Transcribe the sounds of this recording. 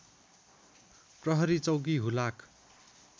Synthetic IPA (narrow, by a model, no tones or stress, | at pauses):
prʌɦʌɾit͡sʌwɡiɦulak